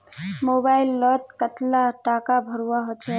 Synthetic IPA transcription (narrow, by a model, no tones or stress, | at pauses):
mobailːɔt̪̚kət̪laʈakabʱəɾuwaɦot͡ʃʰɛ